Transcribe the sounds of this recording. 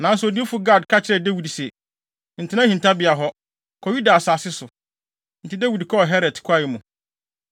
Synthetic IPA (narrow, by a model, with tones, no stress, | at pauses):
nã˨n̩˦sʊ˨o˨di˦e˦fu˨ɡa˦˨dkʰa˦t͡ɕʰɪ˦ɾɛ˨dɛ˦wi˨dsɛ˨ | n̩˨tʰɪ˦nã˦hĩ˨ntʰa˦bɪ˨a˨ɦɔ˦ | kʰɔ˨ju˦da˨saː˨sɪ˦sʊ˨ | n̩˨tɪ˦dɛ˦wi˨dkʰɔ˦˨ɦɛ˦ɾɛ˨dkʰa˦˨jɪ˨˦mũ˨